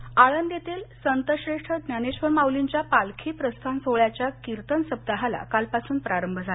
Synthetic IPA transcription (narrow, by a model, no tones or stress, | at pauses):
aɭənd̪jet̪iːlsənt̪əɕɾeʂʈʰəd̪naneɕʋəɾmawliɲt͡ɕjapalkʰiːpɾəst̪ʰansoɭjat͡ɕjakiɾt̪ənsəb̚d̪əɦala̰kalpasuːnpɾaɾəmbʱd͡zʱa